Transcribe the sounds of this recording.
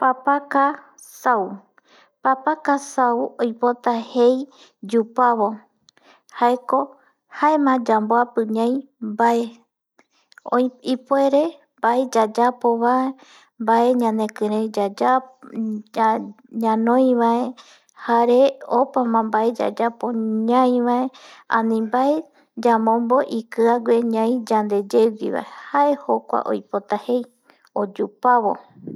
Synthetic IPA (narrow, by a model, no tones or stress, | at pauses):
papaka | saw | papakasawojpo̞t̪ahe̞j | d͡ʒupaβo̞ | haeko̞ | haemãd͡ʒamboapɨɲãj̃ | baʔe | oipoe̞ɾe̞mbaed͡ʒad͡ʒapoβae | mbaʔe̞ɲãnd̪ẽ̞kɨ̃ɾẽjd͡ʒad͡ʒa | ɲãnõjʋae | haɾeopamãmbaed͡ʒa̰d͡ʒapoɲãj̃ʋaeã̰nĩmbae | d͡ʒamõmbo̞ʔikɨaɡʷe̞ɲãj̃d͡ʒand̪e̞d͡ʒewḭβa̰ehaehokʷa̰ʔo̰jpot̪ahe̞j | od͡ʒupaβo̞̰